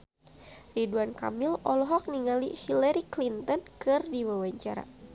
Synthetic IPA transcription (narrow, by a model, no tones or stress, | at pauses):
riduanka̰milɔlɔɦɔk̚niŋalihilaɾiklint̪ɔnkɨrdiwawaɲt͡ʃaɾa̰